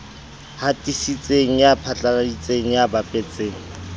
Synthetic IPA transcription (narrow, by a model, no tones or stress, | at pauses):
hatʼisit͡sʼeŋ̩japʰat͡ɬʼanadit͡sʼeŋ̩jabapʼɛt͡sʼeːŋ̩